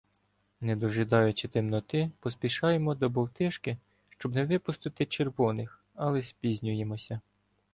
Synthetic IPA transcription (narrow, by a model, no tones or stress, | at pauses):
nɛd̪ɔʒɪd̪ɑjʊt͡ʃɪt̪ɪmnɔt̪ɪpɔspʲiʃɑjemɔd̪ɔbɔwt̪ɪʃkɪ | ʃt͡ʃɔbnɛʋɪpʊst̪ɪt̪ɪt͡ʃerʋɔnɪx | ɐlˠɛsʲpʲizʲnʲʊjemɔsʲɐ